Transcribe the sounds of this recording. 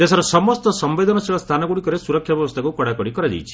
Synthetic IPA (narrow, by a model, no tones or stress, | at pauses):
t̪esɔɾɔsɔmɔst̪ɔsɔmbed̪ʱɔnɔsiɭɔst̪ʰanɔɡuɽikɔɾesuɾɔkʰjabjɔβɔst̪ʰakukɔɽakɔɽikɔɾad̪ḭjt͡ʃʰi̥